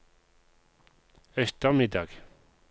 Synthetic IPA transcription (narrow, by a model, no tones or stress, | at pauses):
œst̪əʁmɪd̪ɑːɡ̥